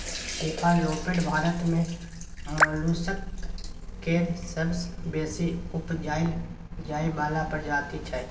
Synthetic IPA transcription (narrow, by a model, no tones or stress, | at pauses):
t̪eːpʰaloːpeɖbʱaːɾət̪mẽ | mlusək | keːɾsəbsbeːsiʊpd͡ʒaːɪl | d͡ʒaːibaːlapəɾd͡ʒaːt̪it͡ʃʰɛ